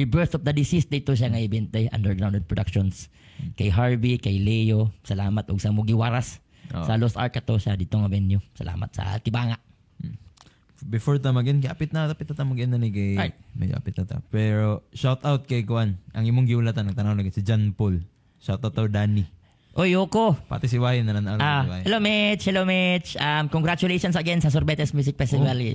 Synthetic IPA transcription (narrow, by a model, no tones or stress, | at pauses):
ibɛɹθɔfd̪ɐd̪ɪsisd̪ait̪oʃ̬aŋaɪbɪɪnt̪aja̰nd̪əɹɡɾawnd̪ɛd̪̚pɹod̪akʃons | kajɦaɹbikajlejosɐlaːmat̪ʊɡsɐmʊɡɪwaɾas | sɐlosʔa̰ɹk̚kɐt̪oʃad̪it̪oŋɐbɛnjosɐ̰lʔa̰ːma̰t̪̚sɐ̰t̪ɪbaːŋaʔ̩ | bɪfoɹt̪amɐɡɪɪnkɪʔapɪt̪̚nat̪apɪt̪̚ːat̪amɐɡɪʔɪnanikajmɛ̰d͡ʒo̰ʔa̰pɪt̪̚nat̪a̰pɛɾoʃawt̪awt̪̚kɐjkʊʔanʔɐŋimoŋɡɪulat̪anːɐɡ̚t̪ɐnanlaɡɛnsid͡ʒanpol | ʃawt̪awt̪ːawd̪aːnɪ | ʔojoːkopa̰t̪ɪsɪwaːhɪnɐnanalaahɛlomɛt͡ʃhɛlomɛt͡ʃʔamkoŋɡɾat͡ʃʊlejʃonsɐɡɛnsɐs̬ɔɾbɛt̪ɛsmjuːs̬ɪk̚fɛsɪvali